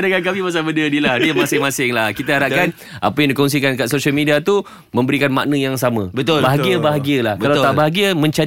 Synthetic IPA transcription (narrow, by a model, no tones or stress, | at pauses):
daŋankamimas̬abəndədilahdiəmãsɪŋmãsɪŋlahkit̪aɦaɾaʔkan | a̰pəjaŋ̃dikons̬ikankaʔsosiəlmidiat̪u | mə̃mbəɾikanma̰ʔnə̃jaŋsamə̃bət̪baɦaɡiəbaɦaɡiəlahkkalawt̪abaɦaɡiəmə̃ɲt͡ʃa